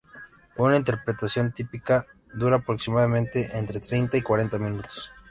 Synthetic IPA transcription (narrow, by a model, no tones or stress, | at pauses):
unaint̪e̞ɾpɾe̞t̪asjo̞nt̪ipika | ðuɾaːpɾoksimaðamẽnt̪e̞ʔent̪ɾe̞t̪ɾejnt̪aikwaɾe̞nt̪amĩnut̪o̥s